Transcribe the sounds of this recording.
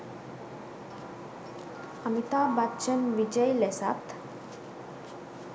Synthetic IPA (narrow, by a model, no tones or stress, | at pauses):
əmit̪abat͡ʃənʋid͡ʑəjlesa̰t̪